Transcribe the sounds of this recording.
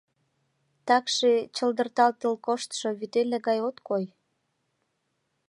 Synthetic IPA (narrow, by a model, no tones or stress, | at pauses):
t̪ɑkʃet͡ɕə̆ld̪ə̆rt̪ɑlt̪əlkoʃt̪ʃoβyt̪eleɣɑjot̪koj